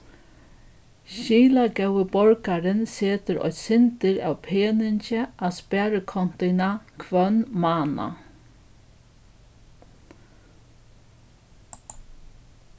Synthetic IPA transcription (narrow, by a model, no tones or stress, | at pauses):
ɕiːlaɡœwəbɔɹkaɾɪnseːt̪əɾɔ̰ʏt̪sɪnt̪əɾa̰ːwpʰeːnɪncəʔaspæːɾəkʰɔn̥t̪ɪnakʰʋœnmɑːna̰